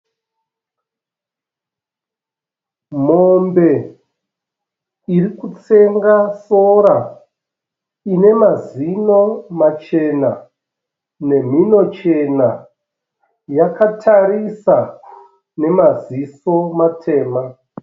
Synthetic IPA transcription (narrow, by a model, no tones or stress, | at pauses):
m̤ombe̞ | irikut͡se̞ŋɡaso̞ɾa | ine̞mazino̞mat͡ʃe̞na | ne̞m̤ino̞t͡ʃe̞na | jakʰatʰaɾisa | ne̞maziso̞matʰe̞ːma